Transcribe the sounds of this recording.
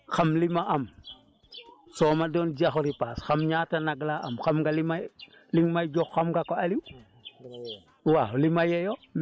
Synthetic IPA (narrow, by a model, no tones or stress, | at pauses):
xamlimaʔam | soːmadoːnd͡ʒiaxoɾipasxamɲatanaɡlaʔamxamɡalima | liŋmajd͡ʒoxːamɡakoaliw | walimajejo